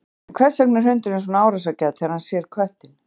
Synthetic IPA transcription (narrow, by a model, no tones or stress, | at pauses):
kʰvɛ̥sɛk̚nɪɾ̥ɦʏnt̪ɪnɪns̬ɔnaːwɾas̬acaːðtθɛːðaɾhansjɛɾ̥kʰvɛht̪ɪn